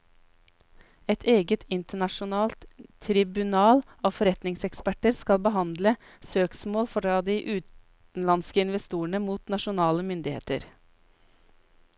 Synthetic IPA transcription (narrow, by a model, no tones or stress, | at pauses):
ɛt̪ʰeːɡət̪ʰɪnt̪əɳɑʃʊnɑːlt̪ʰːɾɪbʉnɑːl | ɑːʋfɔɾɛt̪nɪŋsɛkspæʈəɾskɑlbəɦɑnd̪lə | søːksmoːlfɔɖɑd̪iːʔʉːt̪ | n̩lɑnskəɪnʋɛst̪uːəɳəmuːt̪nɑʃʊnɑːləmʏnd̪ɪhḛːt̪ə̰ɾ